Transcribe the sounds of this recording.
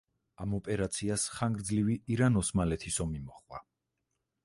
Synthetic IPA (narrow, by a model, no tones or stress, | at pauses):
amɔpʼɛɾat̪sʰiasχaŋɡɾd̪zliviiɾanɔsmalɛt̪ʰisɔmimɔχwa̰